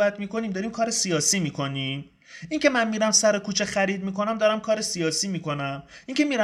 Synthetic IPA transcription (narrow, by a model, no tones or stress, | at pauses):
bæt̪miːko̞niːmd̪ɒːɾiːmkʰɒːɾe̞sijɒːsiːmiːkʰo̞nim | iŋcʰe̞mænmiːɾæmsæɾo̞kuːt͡ʃʰe̞xæɾiːd̪̚miːko̞næmd̪ɒːɾæmkʰɒːɾe̞sijɒːsiːmiːko̞næmiːŋcʰe̞miːɾ